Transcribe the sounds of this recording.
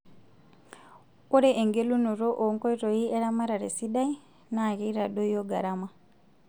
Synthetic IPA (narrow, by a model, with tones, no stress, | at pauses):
ku˦ɾe˦ʔe˨ŋɡe˦lu˦nu˨ɾo˦ʔo˨ŋkɔ˦i˦ɾo˨i˦e˦ɾa˦ma˦ɾa˨ɾe˨si˦ɗa˦i˦ | na˦˨ɣi˦ɾa˨ɗo˦jo˦ɡa˨ɾa˦ma˦˨